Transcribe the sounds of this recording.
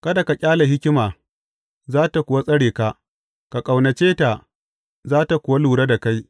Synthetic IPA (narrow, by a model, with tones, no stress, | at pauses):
kɐ˦da˨ka˨kʲʼaː˦la˨ɦɪ˦kʲɪ˦maː˨ | zaː˦ta˨kʷʊ˨wa˦sʼɐ˦ɽeː˨ka˦ʔ | ka˨kʼa˨wnɐ˨t͡ʃeː˦ta˨ | zaː˦ta˨kʷʊ˨wa˦luː˨ɽa˦da˨ka˦j